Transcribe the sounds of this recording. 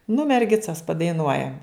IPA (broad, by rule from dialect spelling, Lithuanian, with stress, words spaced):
nʊ mʲɛrʲˈɡʲɪt͡sɐs pɐdɐɪˈnuɔjɛm